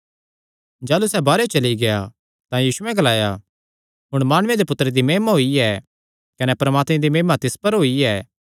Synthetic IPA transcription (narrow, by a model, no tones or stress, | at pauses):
d͡ʒaːlusɛbaːɾet͡ʃɐliɡea̰ | t̪ãjiːsʊɛ̃ɡɐlaːja | ɦʊɽ̃maːɽ̃ʊ̃ẽd̪epʊt̪ːɾed̪imeːmaɦoiɛ | kɐnɛpɐɾɐmaːt̪mẽd̪imeːmat̪ɪspɐɾɦoːiɛː